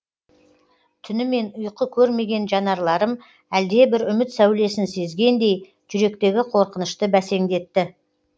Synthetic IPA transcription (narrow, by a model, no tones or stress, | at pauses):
t̪ʰʏnɪme̞nʊjqəkʲʰɵɾme̞ɡʲe̞nʒɑnɑɾlˠɑɾəm | æld̪e̞bɪɾʏmɪt̪sæwle̞sɪnse̞zɡʲe̞nd̪e̞j | ʒʏɾe̞kt̪e̞ɡʲɪqʰo̞ɾqənəʃt̪əbæse̞ŋd̪e̞t̪ːɪ